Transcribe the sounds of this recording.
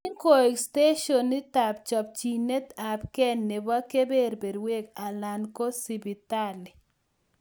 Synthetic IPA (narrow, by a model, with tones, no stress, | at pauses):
i˦ŋko˨e˨kste˦ʃɔ˨nːɪ˦ta˨p̚t͡ʃɔ˨p̚t͡ʃi˨ne˦t̪a˨p̚kɛ˦nːɪ˨ba˦ke˦be˦ɾbe˨dwe˦ka˨la˨nko˦si˨bi˨t̪a˦lɪ˨